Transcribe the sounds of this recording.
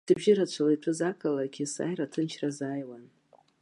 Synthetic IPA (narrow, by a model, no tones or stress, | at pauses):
d̥ɨbʒɪɾat͡ʃʷʰaleʈ͡ʂʷʰɨzakʰʼalaɡʲʰɪsa̰jɾatʰɨnt͡ʃʰrazaːjwan